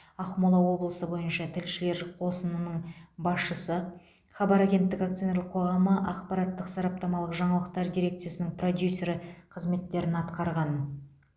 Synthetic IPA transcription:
ɑχmolˠɑwo̞blˠəsəbo̞jənʃɑt̪ʰɪlʃɪle̞ɾqʰo̞sənənəɴbɑsʃəsə | χɑbɑɾaɡʲe̞nt̪ːɪkakt̪sio̞neləqʰo̞ʁɑməʔɑqpɑɾɑt̪ːəqsɑɾɑp̚t̪ɑmɑlˠəqʒɑɴɑlˠəq̚t̪ɑɾd̪ijɾʲe̞kt̪sɨjasənɪŋpro̞d̪ʲjusʲe̞ɾqʰəzme̞t̪ːe̞ɾɪnɑt̪qɑɾʁɑn

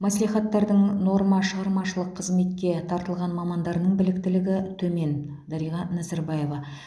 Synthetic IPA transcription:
mæslijχɑt̪ːɑɾd̪əɴno̞ɾmɑʃəʁɑɾmɑʃəlˠəqʰːəzme̞t̪̚kʲe̞t̪ʰɑɾt̪əlˠʁɑnmɑmɑnd̪ɑɾnəɴbɪlɪk̚t̪ɪlɪɡʲɪt̪ʰɵme̞n | d̪ɑɾijʁɑnæzɑɾbɑje̞vɑ

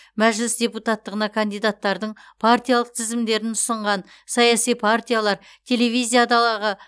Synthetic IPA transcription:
mæʒlɪsd̪ʲe̞put̪at̪ːəʁənɑkʰand̪ijd̪at̪ːɑɾd̪əɴpʰart̪ijalˠəq̚t̪ʰɪzɪmd̪e̞ɾɪnʰʊsəɴʁɑn | sɑjasijpʰart̪ʲijalˠɑɾ | t̪ʲʰe̞le̞vʲijzijad̪ɑlˠɑʁə

